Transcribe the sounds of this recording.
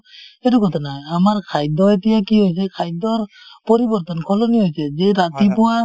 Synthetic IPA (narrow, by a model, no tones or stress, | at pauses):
ɛtukɔt̪ʰanaamaɹkʰajd̪ɔetijakiɦojs̬ɛkʰajd̪ɔɹ | pɔɾibɔɹt̪ɔnkʰɔloniɦojsɛzɛɾat̪ipɔwa